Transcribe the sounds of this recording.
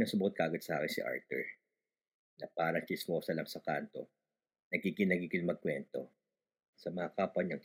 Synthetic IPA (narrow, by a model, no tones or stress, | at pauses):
nɐŋsʊbot̪̚kaʔaɡod̪̚sɐʔaːkɪnsɪ̰ʔa̰ɹt̪ɛ̰ɹ | nɐpaːɾɐŋt͡ʃɪsmoːsɐlɐŋsɐkant̪o̞̰ | nɐɡ̚kikɪnɐkikɪnmɐɡ̚kwɛnt̪o̞̰ | sɐmɐhɐkaːpɐɲɐŋ